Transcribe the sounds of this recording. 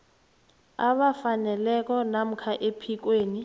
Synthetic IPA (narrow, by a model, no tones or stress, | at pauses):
aβafanɛlɛk̬ɔnam̩kʰaʔepʰik̬weːni